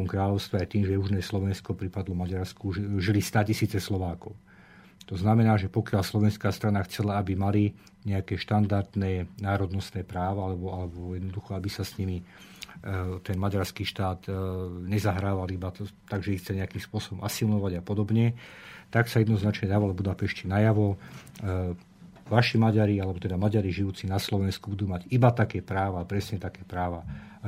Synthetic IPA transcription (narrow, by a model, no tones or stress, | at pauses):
ɔmkɾaːʎɔʊst̪ʋɛajt̪iːmʒɛuʒnɛslɔʋɛnskɔpɾipad̪lɔmaɟaɾskuʒilist̪acisiːt͡sɛslɔʋaːkɔʊ | t̪ɔznamɛnaːʒɛpɔkɪalslɔʋɛnskaːst̪ɾanaxt͡sɛlaabimali | ɲɛakɛʃt̪and̪aɾd̪nɛnaːɾɔd̪nɔst̪nɛːpɾaːʋaalɛbɔalɛbɔjɛd̪nɔd̪uxɔabisasɲimi | t̪ɛnmaɟaɾskiːʃt̪aːt̪ɲɛzaɦɾaːʋalibat̪aɡʒɛixt͡sɛɲɛakiːmspʊɔsɔbɔmʔasilnɔʋaɟapɔd̪ɔbɲɛt̪aksajɛd̪nɔznat͡ʃɲɛd̪aʋalɛbud̪apɛʃcinajaʋɔ | ʋaʃimaɟaɾialɛbɔt̪ɛd̪amaɟaɾiʒiuːt͡sinaslɔʋɛnskubud̪uːmaɟibat̪akɛːpɾaːʋapɾɛsɲɛt̪akɛːpɾaːʋa